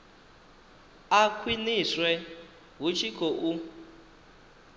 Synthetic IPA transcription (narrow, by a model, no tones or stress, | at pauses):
akʰwiniswɛ | ɦut͡ʃʰikʰʼoʔu